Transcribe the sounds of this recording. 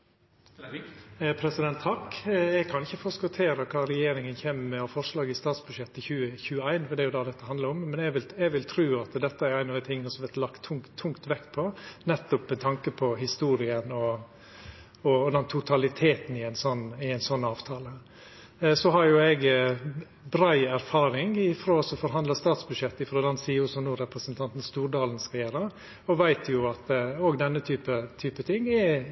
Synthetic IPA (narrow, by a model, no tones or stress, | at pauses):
pʰɾɛsɪd̪ɛnt̪ʰːɑkɛɡkʰɑnɪçːəfɔskɔt̪ʰeːɾəkʰɑːɾɛjeːɾɪŋənçeːməmɛɔfɔɾʂɭɑːɡɪst̪ɑːt̪sbʉd̪ʃjɛt̪ːəçʉːəçʉːəæɪnfɔd̪ɛæjʊd̪ɑd̪ɛt̪ːəɦɑnd̪ləɾɔmːɛnɛʋɪlɛɡʋɪlt̪ʰɾʉːɑt̪d̪ɛt̪ːəæɾæɪnɑd̪ɪt̪ʰɪŋːənəsɔmʋɛɾt̪lɑkt̪ʰːʊŋt̪ʰːʊŋkt̪ʋɛkt̪pʰɔnɛt̪ːʊpmɛt̪ʰɑŋkəpʰɔɦɪst̪uːɾɪənɔ | ɔd̪ɛnt̪ʰʊt̪ʰɑlɪt̪ʰeːt̪n̩ɪæɪnsɔnːɪæɪnsɔnːɑːʋt̪ʰɑːlə | sɔɦɑɾjʊɛɡ | bɾæɪæɾfɑːɾɪŋɪfɾoːsɔfɔɾɦɑnd̪ləst̪ɑːt̪sbʉdʂɛt̪ːɪfɾoːd̪ɛnsiːʊsɔnuːɾɛpɾəsənt̪ʰɑnt̪n̩st̪uːɾɖɑːln̩skɑjeːɾəɾ | ɔʋæɪt̪ʰjʊɑt̪oːɡd̪ɛnːət̪ʰyːpət̪ʰyːpət̪ʰɪŋːɪ